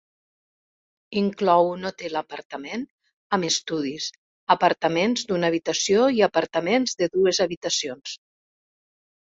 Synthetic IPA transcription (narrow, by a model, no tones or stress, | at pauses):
iŋklɔwunot̪eləpəɾt̪əmen | əməst̪uð̞is | əpəɾt̪əmenzd̪unaəβ̞it̪əsioiəpəɾt̪əmenzðəðuezəβit̪əsions